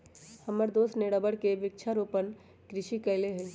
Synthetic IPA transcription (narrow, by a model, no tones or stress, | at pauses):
həməɾd̪oːsneɽəbəɽkeʋɪk̚t͡ʃʰaɾoːpən | kɾɪʃikəɪleɦɛ̃ː